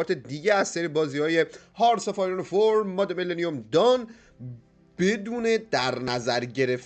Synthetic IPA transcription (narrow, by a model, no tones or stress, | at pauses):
ɒːt̪ʰe̞d̪iːɟeæst̪æɾibɒːzihɒːje̞ | hɒːɾsefɒɾonofoɾmːɒd̪emeleniomd̪ɒn | b̥e̞d̪uːne̞d̪̥æɾnæzæɾɟe̞ɾe̞f